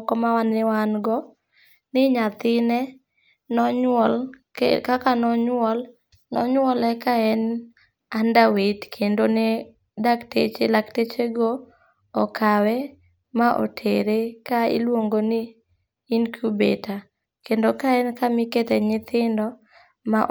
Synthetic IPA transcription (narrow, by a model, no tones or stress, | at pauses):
kɔmawanːɪwanɡɔ | nɪɲat̪ɪnɛ | nɔɲwɔlkkakanɔɲwɔl | nɔ̰ɲwɔlɛkaɛn | andawetkʰendonɪ | daktḛt͡ʃelaktet͡ʃeɡoː | kʰawɛ | maʔo̰tʰeɾekaɪ̰lwoŋɡonɪː | nkʰjubḛta | kendokaɛnkamɪket̪ɛɲɪt̪ɪndɔ | maʔ